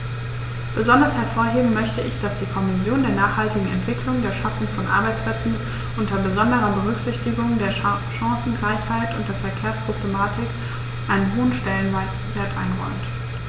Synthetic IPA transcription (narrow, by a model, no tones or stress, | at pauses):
b̥əzɔndɐshɛɐfoːɐɦeːbm̩mœçtəɪçd̥asd̥iːkʰɔmɪsjoːndeːɐnaːχhaltɪɡŋ̩ɛ̰ntv̥ɪklʊŋdeːɐʃafʊŋfɔnʔa̰ɐbaɪt͡splɛt͡sn̩ | ʔʊntɐbəzɔndəʁɐbəʁ̞ʏçz̥ɪçtɪɡʊŋdeːɐ | ʃɑ̃ŋsn̩ɡʁaɪçhaɪtʊntd̥eːɐfɛɐkʰeːɐspʁ̥oblemaːtʰɪk | ʔaɪnənɦoːənʃtɛlən | veːɐtʔaɪnʁɔʏmt